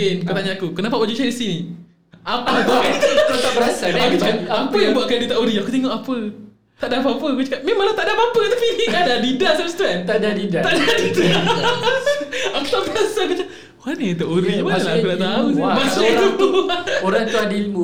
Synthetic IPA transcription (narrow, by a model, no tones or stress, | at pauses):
enkət̪aɲaakukənap̬awod͡ʒut͡ʃadisini | apaaanik̪t̪aʔbəɾasaakit͡ʃaapəjaŋbuaʔkajdit̪aʔoɾiakut̪eŋɔʔapə | t̪aʔdapaapəakut͡ʃamẽmãlat̪aʔdapapət̪apiadadidasamst̪uɛnt̪adadidaaʔdadida | akut̪aʔbəɾasakut͡ʃa | oɾanit̪aʔoɾibəalaakulaʔt̪aumasu | oɾaŋt̪uadilmu